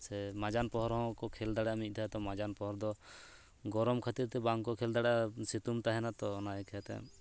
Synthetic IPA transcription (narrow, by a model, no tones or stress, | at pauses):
sɛmad͡ʒanpɔɦɔɾɦɔ̃kɔkʰɛld̪aɽamit̪̚ˀt̪aɦɛt̪ɔmad͡ʒanpɔɦɔɾd̪ɔ | ɡɔɾɔmkʰat̪iɾt̪ɛbaŋkɔkʰɛld̪aɽasit̪umt̪aɦɛnat̪ɔnaɛkʰɛɛt̪ɛ̰